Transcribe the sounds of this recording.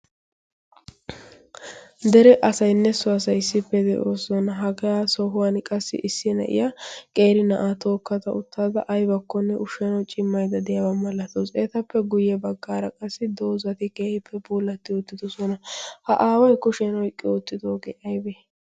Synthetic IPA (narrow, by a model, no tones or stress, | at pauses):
d̪ɛɾɛʔɐsɐjnːɛsʊɐsɐjɪsːɪpːɛd̪ɛ̰ʔoːsɔnɐɦɐɡɐjaːsɔɦʊwankʼɐsːɪ̰ʔɪsːɪnɐ̰ʔɪ̰jakʼe̞ːɾɪnɐʔaːt̪oːkːɐt̪ɐʊt̪ːaːd̪ɐʔɐjbɐkːɔnːɛʔʊʃɛnɐwt͡ʃʼɪmːɐjd̪ɐd̪ɛjɐbɐmɐlːɐt̪oːseːt̪ɐpːɛɡʊjːɛbɐɡːaːɾɐkʼɐsːɪd̪oːzɐt̪ɪkʼeːɾɪpʰːɛbuːlːɐt̪ːɪɔt̪ːɪd̪ɔsɔnɐhɐʔaːwɐjkʊʃɛnɔɪkʼːɪʊt̪ːɪd̪oːɡeʔɐjbe